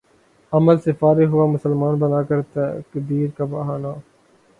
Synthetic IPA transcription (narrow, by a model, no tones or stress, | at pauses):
ɐməlsefaːɾeɦʊamʊsəlmaːnbɐnaːkɐɾt̪ɐkd̪iːɾkabɐɦaːnaː